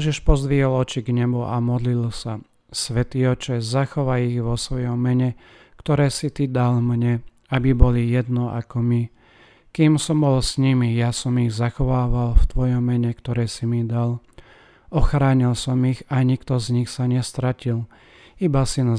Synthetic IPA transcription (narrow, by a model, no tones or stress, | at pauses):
ɛʒiʃpɔzd̪ʋiɛlɔt͡ʃiɡɲɛbua̰mɔd̪lilsa | sʋɛt̪iːɔt͡ʃɛzaxɔʋajiɣʋɔsʋɔjɔmːɛɲɛ | kt̪ɔɾɛːsit̪id̪almɲɛ | abibɔlijɛd̪nɔʔa̰kɔmi | kiːmsɔmbɔlsɲimijasɔmiɣzaxɔʋaːʋalft̪ʋɔjɔmːɛɲɛkt̪ɔɾɛːsimid̪al | ɔxɾaːɲilsɔmiɣaɲikt̪ɔzɲixsaɲɛst̪ɾacil | ibasin